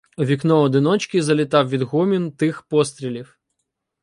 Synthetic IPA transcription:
ʋʲiknɔɔd̪ɪnɔt͡ʃkɪzɐlʲɪt̪ɑwʋʲid̪ɦɔmʲint̪ɪxpɔst̪ɾʲilʲiw

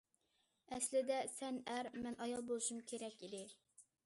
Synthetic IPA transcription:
ɛslɪd̪ɛsɛnæɾmɛnʔɑjɑlˠbolˠuʃumkʲʰeɾɛkʲid̪ɪ

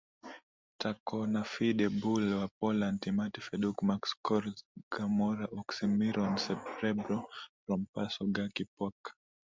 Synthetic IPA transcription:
tʰakɔnafiɗɛbulwapɔlantimatifɛɗukmakskɔɾɡ̥amɔɾaʔɔksimiɾɔnsɛp̚tɛbɾɔpɾɔmpasɔɡakipɔk

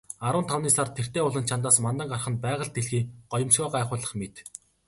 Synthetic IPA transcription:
aɾʊ̆nt̪ʰawniːsart̪ʰer̥t̪eːʊɮə̆nt͡ɕʰant̪aːsmant̪ə̆ŋɢarχə̆n̚pæːʁə̆ɮt̪eɮxiːɢ̥ɔjɪ̆msuːɢæːχʊːɮə̆χmet̪

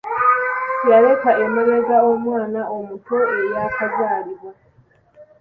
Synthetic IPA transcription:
jaɾe̞kae̞meɾeɡao̞mwaːnaʔomuto̞e̞jakazaːɾiβwa

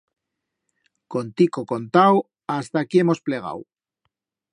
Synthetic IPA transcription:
ko̞nt̪ikoko̞nt̪aw | ast̪akie̞mo̞sple̞ɣ̞a̰w

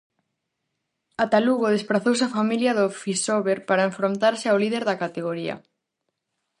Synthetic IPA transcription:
at̪aluɣoð̞espɾaθowseafamiljɐðʊfisoβeɾpaɾɐeɱfɾont̪aɾsɪawlið̞eɾðɐkat̪eɣ̞oɾiɐ̰

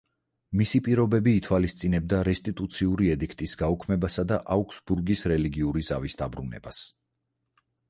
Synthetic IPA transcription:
misipʼiɾɔbɛbiːt̪ʰwalist̪sʼinɛb̚d̪aɾɛst̪ʼit̪ʼut̪sʰiuɾiɛd̪ikʰt̪ʼisɡaukʰmɛbasad̪aʔaukʰsbuɾɡisɾɛliɡiuɾiza̰visd̪abɾunɛ̰bas

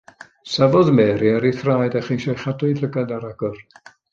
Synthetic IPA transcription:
savɔðmɛːɾiaɾiθraːjdaχinʃɔjχadʊɨləɡadaɾaɡ̥ɔr

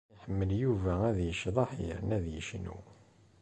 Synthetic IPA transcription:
ħəmːəljuvææðjəʃðˤɑħiə̰ɾənæðjəʃnṵ

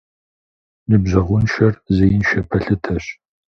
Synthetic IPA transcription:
nɨbʑɐʁʷʊnʃɐrzɐjɪnʃɐpʰɐɬɨtʰɐɕ

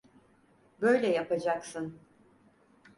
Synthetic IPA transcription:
bø̞jlʲɛjapʰad͡ʒaksɯn

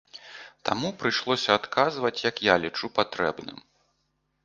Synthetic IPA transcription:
t̪a̰mupɾɨʂlˠɔsʲɐat̪kazvɐt͡sʲjɐkjalʲit͡ʂupat̪ɾɛbnɨ̰m

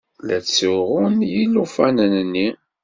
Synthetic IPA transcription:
læt͡sːuʁʊnjilːufænənənːi

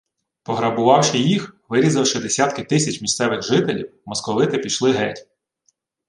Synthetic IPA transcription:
pɔɦɾɐbʊʋɑwʃɪjixʋɪɾʲizɐwʃɪd̪esʲat̪kɪt̪ɪsʲɐt͡ʃmʲist̪sɛʋɪxʒɪt̪elʲiwmɔskɔʋɪt̪ɪpʲiʃlˠɪɦɛtʲ

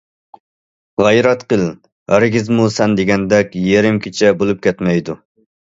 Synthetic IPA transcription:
ʁɛjɾɛt̪qəlˠ | hæɾɡʲɪzmusɛnd̪eɡʲɛnd̪ɛkʲjeɾɪmkʲʰet͡ʃʰɛbolˠup̚kʲɛt̪mɛjd̪u

